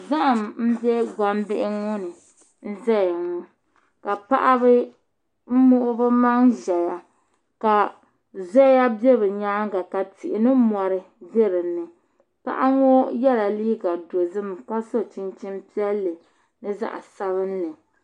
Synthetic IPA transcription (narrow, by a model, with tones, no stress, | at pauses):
za˦ʔmm̩˦bjɛ˦ɡʷa˦m˦bɪ˦ʔɪ˦ŋo˦nɨ˨ | n̩˦zɛ˦ja˨ŋo˦ | ka˨pa˦ʔa˦bɨ˦ | m̩˦mʊ˦ʔʊ˦bɨ˦ma˦ŋʒɛ˨ja˨ | ka˨ | zɔ˦ja˦be˦bɨ˨ɲaː˦ŋ˦ɡa˨ka˨ti˨ʔɪ˨nɨ˦mɔ˨ɾɨ˦ | be˦ɾɨ˨nːɨ˨ | pa̰˦ʔa˦ŋo˦jɛ˦la˨liː˦ɡa˨do˨zɨ˦m˨ka˦so˦t͡ʃi˦nt͡ʃi˦mpi˦ɛ˦lːɨ˨ | nɨ˦za̰˦ʔa̰˨sa˦βɨ˦n̩˦lɨ˨